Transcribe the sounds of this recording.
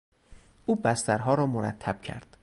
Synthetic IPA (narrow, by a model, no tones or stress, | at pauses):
ʔuːbæst̪æɾɦɒːɾɒːmoɾæ̰t̪ʰːæb̥̚cʰæ̰ɾd̪̥